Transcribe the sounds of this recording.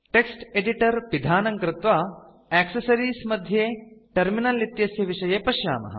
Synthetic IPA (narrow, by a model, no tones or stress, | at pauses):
ʈeksʈeɖiʈɐɾʋid̪ʱaːnɐŋkɾɪt̪ʋa | ɛːksɐsɐɾiːsmɐd̪ʱjeːʈɐɾminɐlit̪jɐsjɐʋiʂɐjeːpɐʃja̰ːmɐ̰ɦɐ̰